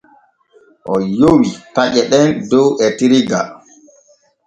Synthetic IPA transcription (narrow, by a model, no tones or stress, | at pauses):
ʔɔjowipaʄɛɗɛndɔwʔɛtiɾiɡa